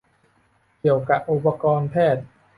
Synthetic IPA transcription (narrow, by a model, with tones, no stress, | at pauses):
ki˨˩əwka˨˩ʔ̚ʔu˨˩pːa˧kɔː˧npʰɛː˥˩t̪̚